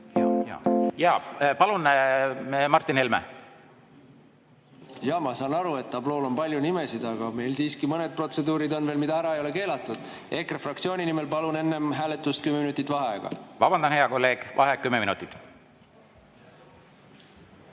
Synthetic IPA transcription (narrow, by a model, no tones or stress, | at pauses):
jɑːpɑlun | mɑrt̪ˑːinelmḛ | jɑmɑsɑːnɑɾue̞t̪ːɑblo̞ːlo̞npɑlʲjunime̞sid̪̥ɑɡ̥ɑme̞jlsiːskimɤne̞d̪̚pro̞t̪se̞d̪uːɾid̪o̞nveːlmid̪̥ɑæɾɑejo̞le̞ke̞ːlɑt̪ːˑud̪̥ | e̞krɑfrɑkt̪sio̞ːnʲinimelpɑlune̞nːe̞mɦæːle̞t̪ːˑust̪̚kymːeminut̪ːˑit̪ːˑvɑɦeɡ̥ɑ̰vɑb̥ɑnd̪̥ɑnheɑkolːe̞ːɡ̥vɑɦekːymːeminṵt̪ːˑit̪